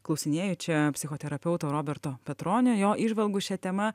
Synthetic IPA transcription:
klˠɐʊsʲɪnʲeːjot͡ʃʲɛpʲsʲɪxoːt̪ʲɛɾɐpʲɛʊt̪oːɾoːbʲɛɾt̪oːpʲɛt̪ɾoːnʲojoːʔiːʒʋɐlˠɡʊʃʲɛt̪ʲɛmɐ

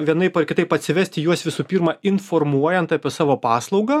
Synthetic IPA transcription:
ʋʲiɛnɐɪpɐrkʲɪt̪ɐɪpɐt̪ʲsʲɪʋʲæːsʲt̪ʲɪjuɔsʋʲɪsuːpʲiːɾmɑɪnformuɔjɛnt̪ɑːpʲiɛsɑːʋoːpɑːslˠɒʊɡɐː

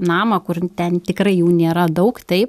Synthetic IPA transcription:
nɑːmɐkʊrt̪ʲɛnt̪ʲɪkɾɐɪjuːnʲeːɾɐd̪ɐʊkt̪ɐɪp

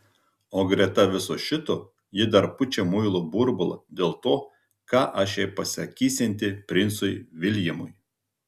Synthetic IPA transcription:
oːɡɾʲɛt̪ɐʋʲɪsoːʃʲɪt̪oː | jɪd̪ɐɾpʊt͡ʃʲɛmʊɪlˠoːbʊɾbʊlˠɐ̰d̪ʲeːlˠt̪oː | kɑːʔɑːʃʲɛpɐsʲɐkʲiːsʲɛnʲt̪ʲɪpʲɾʲɪnt̪sʊɪʋʲɪlʲjɪmʊj

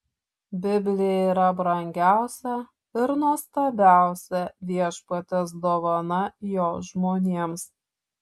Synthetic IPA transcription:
bʲɪbʲlʲɪjɛiːɾɐbɾɐŋʲɡʲæˑʊsʲɛ | ɪɾnuɔst̪ɐbʲæˑʊsʲɛʋʲiɛʃpɐt̪ʲɛs̬d̪oːʋɐnɐjoːʒmoːnʲeːms

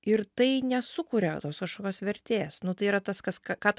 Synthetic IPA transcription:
ɪɾt̪ɐɪnʲɛsʊkuːɾʲɛt̪oːskɐʃkoːkʲoːsʋʲɛɾʲt̪ʲeːsnʊt̪ɐɪiːɾɐt̪ɐskɐskɑkɑːt̪

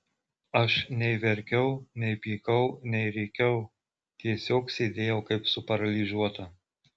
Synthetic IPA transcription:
ɐʃnʲɛɪʋʲɛɾʲkʲɛʊnʲɛɪpʲiːkɐʊnʲɛɪɾʲɛɪkʲɛʊ | t̪ʲiɛsʲoːksʲeːd̪ʲeːjɛʊkɐɪpsʊpɐɾɐlʲiʒuɔt̪ɐ

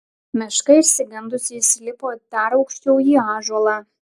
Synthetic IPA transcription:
mʲɪʃkɐɪʃʲsʲɪɡʲɐnd̪ʊsʲɪsʲlʲɪpoːp̪ʲæɾɒʊkʃʲt͡ʃʲɛʊiːɑːʒuɔlˠɑː

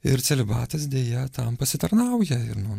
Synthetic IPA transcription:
ɪɾt̪sʲɛlʲɪbɑːt̪ɐs̬d̪ʲeːjɛt̪ɐmpɐsʲɪt̪ɐɾnɐʊjɛɪɾnʊ

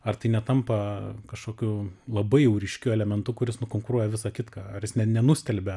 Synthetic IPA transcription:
ɐrt̪ɐɪnʲɛt̪ɐmpɐkɐʃkoːkʲulˠɐbɐɪjɛʊɾʲɪʃʲkʲuɛlʲɛmʲɛnt̪ʊkʊɾʲɪsnʊkoːŋkʊɾuɔjɛʋʲɪsɑːkʲɪt̪kɑːɐrjɪsnʲɛnʲɛnʊsʲt̪ʲɛlʲbʲɛ

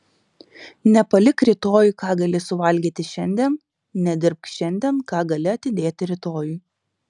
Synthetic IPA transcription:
nʲɛpɐlʲɪkɾʲɪt̪oːjʊkɑːɡɐlʲɪsʊʋɐlʲɡʲiːt̪ʲɪʃʲɛnʲd̪ʲɛːn | nʲɛd̪ʲɪɾp̚kʃʲɛnʲd̪ʲiɛnkɑːɡɐlʲɪɐt̪ʲɪd̪ʲeːt̪ʲɪɾʲɪt̪oːjʊɪ

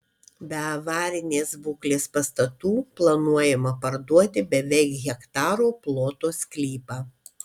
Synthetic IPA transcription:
bʲɛɐʋɑːɾʲɪnʲeːsbuːklʲeːspɐst̪ɐt̪uːplˠɐnuɔjɛmɐpɐɾd̪uɔt̪ʲɪbʲɛʋʲɛɪkɣʲɛkt̪ɑːɾoːplˠoːt̪oːsʲkʲlʲiːpɑː

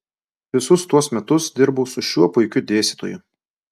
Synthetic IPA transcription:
ʋʲɪsʊst̪uɔsmʲɛt̪ʊsd̪ʲɪɾbuːsʊʃʲuɔpʊɪkʲʊd̪ʲeːsʲit̪o̰ːjʊ

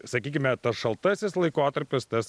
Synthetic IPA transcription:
sɐkʲiːkʲɪmʲɛt̪ɐsʃɐlˠt̪ɐsʲɪslˠɐɪkoːt̪ɐɾʲpʲɪst̪ɐs

